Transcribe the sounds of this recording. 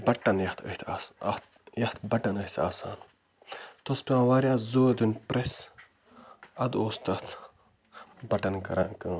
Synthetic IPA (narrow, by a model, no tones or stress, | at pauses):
bɐʈːɐnjɐht̪ʰə̰hʲt̪ʰasɐ̰t̪ | jɐht̪ʰbɐʈɐnəht̪ʲʰa̰ːsa̰ːn | t̪ospʲiãːʋaːɾʲjaːzoːd̪unʲpɾes | ɐd̪oːst̪ɐt̪ | bɐʈɐnkɐɾankɐː